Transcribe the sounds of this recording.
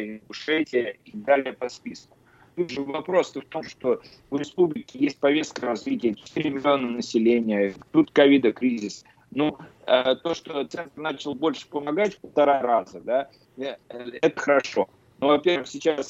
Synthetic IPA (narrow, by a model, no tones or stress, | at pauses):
ɪnɡʊʂɛtʲɪjəid̪alʲɪjəpɐspʲisn | t̪ud̪ʐɨvɐpɾo̞st̪əft̪o̞mʂt̪o̞ | vɾʲɪspublʲɪkʲɪjesʲt̚ʲpɐvʲe̞st̪̚kəɾɐzvʲitʲɪjət͡ɕɪ̥t̪iɾʲɪmʲɪlʲɪo̞nənəsʲɪlʲenʲɪjət̪ut̪kɐvʲid̪əkɾʲizʲɪs | nuət̪o̞ʂt̪o̞t̪sɛnt̪rnat͡ɕɪlˠbo̞lʲʂɨ̥pəmɐɡatʲfpəlˠt̪ɐɾaɾazəd̪a | ɛt̪əxəɾɐʂo̞ | novɐpʲerɨxsʲɪt͡ɕas